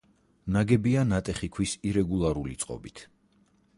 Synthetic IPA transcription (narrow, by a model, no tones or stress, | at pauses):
naɡɛbianat̪ʼɛχikʰwisiɾɛɡulˠaɾulḭt̪sʼqʼɔ̰bit̪ʰ